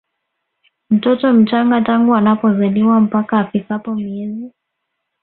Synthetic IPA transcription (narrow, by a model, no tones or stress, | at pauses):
m̩tɔtɔm̩t͡ʃaŋɡataŋɡuanapɔzaɗiwam̩pakaːfikapɔmiɛzi